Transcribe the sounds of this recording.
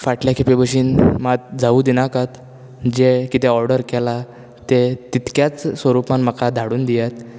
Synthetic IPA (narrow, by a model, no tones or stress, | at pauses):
faʈljakʰepibəɕiːnmat̪̚d͡zauːd̪inakat̪ | d͡ʑekit̪eɔɾɖəɾkɛla | t̪et̪it̪kjat͡ssʋəɾupanmakad̪ʱaɽuːnd̪ijat̪